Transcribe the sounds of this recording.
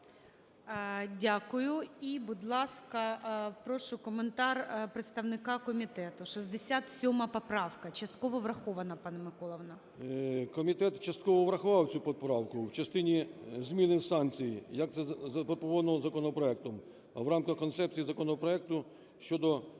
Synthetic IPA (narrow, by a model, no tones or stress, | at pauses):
dʲakʊjʊibʊd̪lˠɑskɐpɾɔʃʊkɔment̪ɑrpɾet̪st̪ɐwnɪkɑkɔmʲit̪ɛt̪ʊʃizd̪esʲat̪sʲɔmɐpɔpɾɑwkɐt͡ʃɐst̪kɔʋɔʋɾɐxɔʋɐnɐpɑnɐmɪkɔlˠɐʋnɐ | kɔmʲit̪ɛt̪t͡ʃɐst̪kɔʋɔʋɾɐxʊʋɑwt͡sʲupɔpɾɑwkʊwt͡ʃɐst̪ɪnʲizʲmʲinɪsɑnt͡sʲijijɐk̚t̪sɛzɐpɾɔpɔʋɔnɔzɐkɔnɔpɾɔɛk̚t̪ɔm | wɾɑmkɐxkɔnt̪sɛp̚t͡sʲijizɐkɔnɔpɾɔɛk̚t̪ʊ | ʃt͡ʃɔd̪ɔ